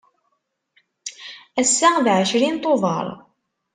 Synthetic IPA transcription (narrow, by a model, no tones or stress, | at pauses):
æsːæðʕəʃɾint̪ˤːoðˤɑ̰ɾˤ